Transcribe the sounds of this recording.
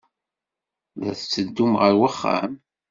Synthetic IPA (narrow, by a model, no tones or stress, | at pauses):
ðæ̰θt͡sːəd̪ːumʁəɾwəχːa̰m